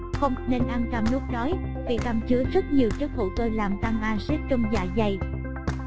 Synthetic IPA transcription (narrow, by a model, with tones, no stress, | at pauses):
xə˧wŋ͡mne˧nʔa˧nt͡ɕa˧mnu˦˥ək̚ɗɔ˨˦j | vḭ˨˩k̪aː˧˩mt͡ɕɨ˨˦əzə˦˥t̚ɲi˨˩əwt͡ɕɨ˦˥k̚ho̰˧˨˩t̪əː˧laː˨˩mt̪a˧ŋʔaː˧zi˦˥t̚t͡ɕə˧wŋ͡mza̰ː˧˩za˨˩j